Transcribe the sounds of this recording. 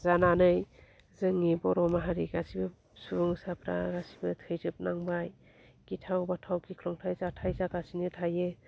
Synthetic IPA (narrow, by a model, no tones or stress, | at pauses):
zananɯj | zɯŋibɔɾɔmaɦaɾiɡasibɯ | suŋsapʰɾa̰ɡasibɯtʰɯjzɯp̚naŋbaj | kitʰawbatʰawkikʰlɔŋtʰajzatʰajzakasinɯtʰaje